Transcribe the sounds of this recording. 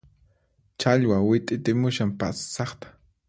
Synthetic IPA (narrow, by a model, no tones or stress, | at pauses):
t͡ʃaʎwawɪt̪ʼɪt̪ɪmʊʃampa̰ssɑχt̪ḁ